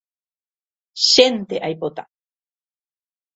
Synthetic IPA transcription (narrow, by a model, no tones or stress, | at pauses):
ʃent̪eʔajpot̪a